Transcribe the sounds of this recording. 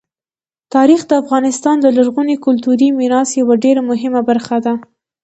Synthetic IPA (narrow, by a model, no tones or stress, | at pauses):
t̪ɑɾixd̪əafɣɑnɪst̪ɑnd̪əlaɾɣunikʊlt̪uɾimiɾɑsjawaɖeɾamʊɦɪmabaɾxad̪a